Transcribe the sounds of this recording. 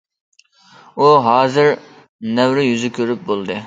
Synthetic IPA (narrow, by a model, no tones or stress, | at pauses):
uɦɑːzɪɾ | nɛwɾɪjyzɪkʲʰøɾyp̚bolˠd̪ɨ